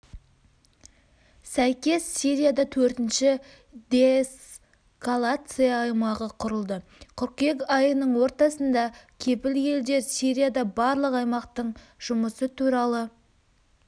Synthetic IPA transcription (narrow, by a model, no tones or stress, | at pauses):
sæjkʲe̞sːiɾʲijad̪ɑt̪ʰɵɾt̪ɪnʃɪ | d̪es | kolˠat̪sɨjɑːjmɑʁəqʰʊɾəlˠd̪əqʰʊɾqkʲe̞kɑjənəɴwo̞ɾt̪ɑsənd̪ɑkʲʰe̞pɪlje̞ld̪e̞ɾsiɾʲijad̪ɑbɑɾlˠəqɑjmɑqt̪əɴ | ʒ̥ʊməsət̪ʰuɾɑlˠə